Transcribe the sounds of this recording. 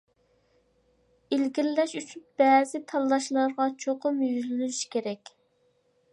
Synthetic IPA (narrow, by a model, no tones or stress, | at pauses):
ilɡʲilːɛʃyt͡ʃʰynb̥ɛzɪt̪ʰɑlˠːɑʃlˠɑɾʁɑt͡ʃʰoqʊmjyzllynyʃkʲeɾɛkʲ